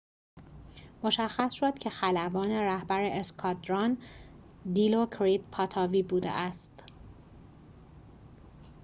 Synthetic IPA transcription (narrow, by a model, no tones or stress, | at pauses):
moʃæxːæsʃod̪̥cʰe̞xælævɒːne̞ɾæhbæɾeʔeskʰɒd̪ɾɒn | d̪iːlokʰɾid̪pʰɒt̪ʰɒːviːbuːd̪ḛʔæst̪